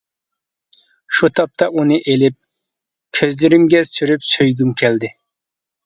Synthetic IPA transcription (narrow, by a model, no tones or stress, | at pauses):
ʃut̪ʰɑp̚t̪ʰɑʔunɨʔelɪp̚ | kʲʰøzlɪɾɪmɡʲɛsyɾypsøjɡʲymkʲʰɛld̪ɪ